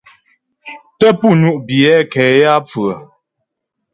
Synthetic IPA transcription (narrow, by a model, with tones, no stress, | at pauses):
tə˦pu˦˨nu˦ʔbjɛ˨˦kɛ˨ja˦p͡fɰə˨